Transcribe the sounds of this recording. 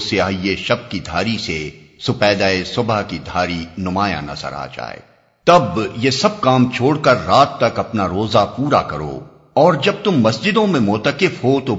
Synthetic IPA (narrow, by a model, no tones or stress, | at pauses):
seaːieʃɐb̚kid̪ʱaːɾisesʊpɛːd̪aːesʊbakid̪ʱaːɾinʊmaːjã̰nɐ̰zə̰ɾa̰ːd͡ʒa̰ːḛː | t̪ɐbjesɐb̚kaːmt͡ʃʰoːɽkɐɾːaːt̪ːɐkɐpnaɾoːzapuːɾakɐɾo̰ː | ɔːɾd͡ʒɐb̚t̪ʊmːɐsd͡ʒɪd̪õmẽmʊt̪əkɪfɦot̪o